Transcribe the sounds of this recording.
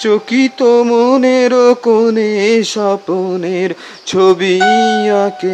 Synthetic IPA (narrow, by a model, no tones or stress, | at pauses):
t͡ɕokit̪omoneɾokoneʃaponeɾ | t͡ɕʰobiake